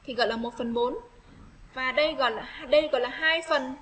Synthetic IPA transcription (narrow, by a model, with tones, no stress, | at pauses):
t̪ʰi˨˩ɣɔ̰˧˨jlaː˨˩mo˨˩t̚fə˨˩nɓo˨˦n | vaː˨˩ɗə˧jɣɔ̰˧˨jlaː˨˩ɗə˧jɣɔ̰˧˨jlaː˨˩ɦaː˧jfə˨˩n